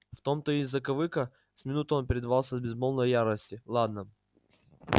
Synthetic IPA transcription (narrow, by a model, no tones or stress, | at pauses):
ft̪o̞mt̪əizːəkɐvɨkə | sʲmʲɪnut̪əo̞npʲɪɾʲɪd̪ɐvalˠsʲəzbʲɪzbolˠnəjjaɾəsʲtʲɪlˠad̪̚nə